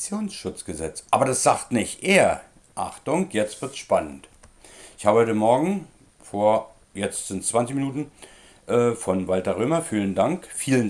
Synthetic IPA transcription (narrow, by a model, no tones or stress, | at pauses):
t͡sjoːnsʃʊt͡sɡ̥əzɛt͡sʔa̰ːbɐdasz̥aːχtnɪçtʔeːɐ | ʔa̰χtʊŋkjɛt͡stv̥ɪɐtsʃpanənt | ʔɪçhaːbəhɔʏtəmɔɐɡŋ̩ | foːɐ | jɛt͡stz̥ɪntt͡sv̥ant͡sɪçminuːtn̩ | ʔɛːfɔnvaltɐʁøːmɐfiːləndaŋkfiːlən